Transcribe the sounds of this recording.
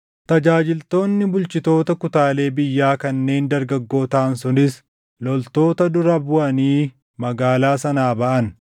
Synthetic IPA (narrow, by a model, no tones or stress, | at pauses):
t̪ɐd͡ʒaːd͡ʒɪlt̪o̞ːnːɪbʊlt͡ʃɪt̪o̞ːt̪ɐkʊt̪aːle̞ːbɪjːaːkɐnːe̞ːnd̪ɐɾɡɐɡːo̞ːt̪aːnsʊnɪs | lɔlt̪o̞ːt̪ɐd̪ʊɾɐbʊʔɐniː | mɐɡaːlaːsɐnaːbɐʔɐn